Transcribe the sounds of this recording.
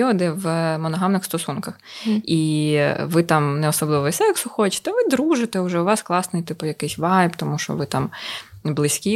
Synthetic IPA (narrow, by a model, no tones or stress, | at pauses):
ɔd̪ɪʋmɔnɔɦɑmnɪxst̪ɔsunkɐxiʋɪt̪ɑmnɛɔsɔblˠɪʋɔisɛjɐksʊxɔt͡ʃɪ̥t̪ɛʋɪd̪ɾuʒɪt̪ɛʊʒɛʊʋɑsklˠɑsnɪjt̪ɪpʊjɐkɪsʲʋɑjpt̪ɔmuʃt͡ʃɔ̰ʋɪt̪ɑmblˠɪsʲkʲi